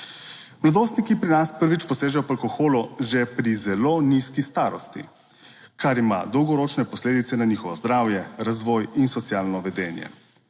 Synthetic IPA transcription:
mlad̪oːst̪nikipɾinaspəɾʋit͡ʃpɔseːʒɛjɔpalkɔxoːluʒepɾizɛloniskist̪aːɾɔst̪ḭ | kaɾima̰d̪ɔwɡɔɾoːt͡ʃnɛpɔsleːd̪it̪sɛnaniːxɔʋɔzd̪ɾaːwjɛɾazʋɔːjinsɔt̪sjaːlnɔʋɛd̪ɛːnjɛ̰

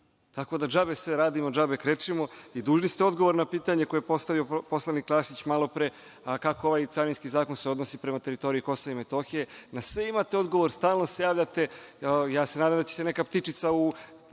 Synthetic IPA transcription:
t̪ako̞d̪ad͡ʒabesʋeɾaːd̪imod͡ʒabekɾet͡ʃimoid̪uːʒnist̪eo̞d̪ɡo̞ʋoɾnapiːt̪aɲe̞ko̞joepo̞st̪aʋio̞po̞slˠaniklˠaːsit͡ɕmalˠo̞pɾe | kako̞oʋaːjt̪saɾinskizaːkonseo̞d̪nosipɾemat̪e̞ɾit̪o̞ɾiiko̞soime̞t̪o̞xije̞nasʋe̞imat̪eo̞d̪ɡo̞ʋoɾst̪aːlˠno̞sejaːʋʎat̪e̞jaːsenaːd̪amd̪at͡ɕe̥senekapt̪it͡ʂit̪sau

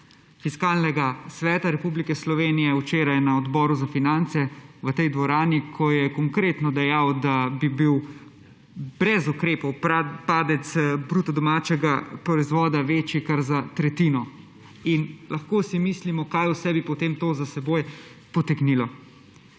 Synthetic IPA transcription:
fiskaːlnɛɡasʋɛːt̪aɾɛpublikɛslɔʋeːnijɛut͡ʃeːɾajnaɔd̪bɔːɾuzafinant̪sɛʋət̪ɛjd̪ʋɔɾaːnikʰɔjɛkɔŋkɾeːt̪nɔd̪ɛjawd̪abibiw | bɾɛzukɾeːpɔwpaːd̪ɛt̪sbɾuːt̪ɔd̪ɔmaːt͡ʃɛɡapɾɔizʋɔːd̪aʋeːt͡ʃjikaɾzat̪ɾɛt̪iːnɔ | inlʔɐxkoːsimislimɔkajusɛbipɔt̪eːmt̪oːzasɛboːjpɔt̪ɛɡnilɔ

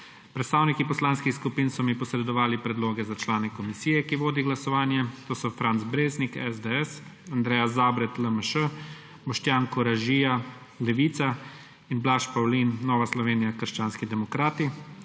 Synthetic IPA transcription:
pɾɛt̪st̪aːwnikipɔslaːnskixskupiːnsɔmipɔsɾɛd̪ɔʋaːlipɾɛd̪loːɡɛzat͡ʃlaːnɛkɔmisiːjɛkiʋoːd̪iɡlasɔʋaːnjɛt̪oːsɔfɾant̪zbɾeːznikɛzd̪eɛsand̪ɾɛːjazaːbɾɛt̪ləməʃə | bɔʃt̪jaːnkɔɾaʒiːja | lɛʋiːt̪sa | inblaʃpawlinːɔːʋaslɔʋeːnijakəɾʃt͡ʃaːnskid̪ɛmɔkɾaːt̪i

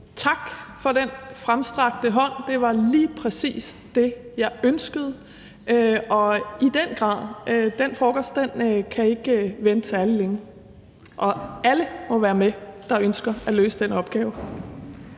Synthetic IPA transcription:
t͡sʰɑ̈ɡ̥fɒ̽d̥enfʁamsd̥ʁɑ̈ɡ̥̚d̥əɦɒ̽n̰d̥e̝ʋɑ̈liːpʰʁɛsḭːs | d̥e̝jɑ̈ɪʔønsɡ̥əð̞̩ˠ | ʔøʔɒ̽id̥en̰ɡ̥ʁɑ̰̈ːðˠd̥en̰fɒːɡ̥ɒsd̥æn̰əkʰæe̝ɡ̥ʋen̥ət͡sʰe̝æləleŋ | ʔɒ̽æləmɔ̽ʋæːɐmed̥ɑ̈ønsɡ̥ɐæløːsəd̥enɒ̽b̥̚ɡ̥ɛːʊ

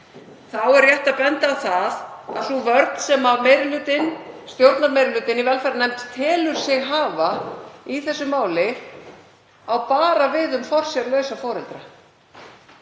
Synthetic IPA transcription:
θawɛɾrːjɛht̪apɛnt̪aːwθaða̰ðθuvœɾt̪n̥sɛmavmejɾʏlʏːt̪ɪnst̪jowɾt̪naɾmejɾɪlʏːt̪ɪnivɛlfɛɾanɛmt̪t̪ʰɪːlʏɾ̥sjɪɣɦaːvaiθɛsːʏmaːwlɪ | awpaːɾavɪðʏmfɔr̥sjɛɾlœːɥsafɔːɾɛlt̪ɾa

